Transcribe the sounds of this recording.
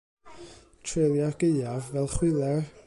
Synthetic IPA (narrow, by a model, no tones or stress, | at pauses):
tʰɹeːlˠjarɡ̥ejavːɛlˠχwɪlˠɛr